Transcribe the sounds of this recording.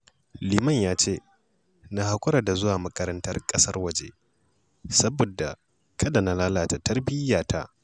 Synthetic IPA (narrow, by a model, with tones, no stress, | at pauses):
liː˨mɐ˦˨ɲjaː˦t͡ʃeː˦˨ | na˦ha˦kʷʼʊ˦ɾa˨da˨zʊ˦waː˨mɐ˦kɐ˦ɾɐ˦ntɐ˦rkʼɐ˦sɐ˦rwɐ˨d͡ʒḛ˦ | sɐ˦boː˨da˨ | kʰɐ˦da˨na˦laː˦laː˨ta˨tʰɐ˦rbɪ˦jaː˨tʰa̰˦ʔ